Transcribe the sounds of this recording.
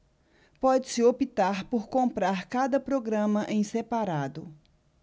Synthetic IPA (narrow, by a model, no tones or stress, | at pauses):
pɔd͡ʒɪsɪopit̪aɾpoɾkõpɾaɾkad̪ɐpɾoɡɾɐ̃mɐʔẽj̃sepaɾad̪ʊ